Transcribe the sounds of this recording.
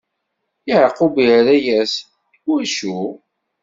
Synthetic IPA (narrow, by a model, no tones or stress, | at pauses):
iʕəqːubiɾæjæs | ʊɾʃu